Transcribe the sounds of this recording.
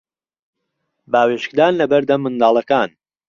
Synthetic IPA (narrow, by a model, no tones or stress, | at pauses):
baːweʃkd̪aːnlɐbɐɾd̪ɐmːɨnd̪aːlˠɐkaːn